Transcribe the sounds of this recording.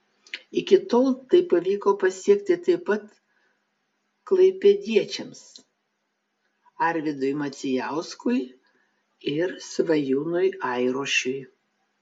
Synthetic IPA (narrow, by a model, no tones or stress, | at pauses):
ɪkʲɪt̪oːlˠt̪ɐɪpɐʋʲiːkoːpɐsʲiɛkt̪ʲɪt̪ɐɪpɐt̪ | klˠɐɪpʲɛd̪ʲiɛt͡ʃʲɛms | ɐɾʲʋʲɪd̪ʊjmɐt̪sʲɪjæˑʊskʊj | ɪɾsʋɐjuːnʊjɐɪɾoːʃʲʊj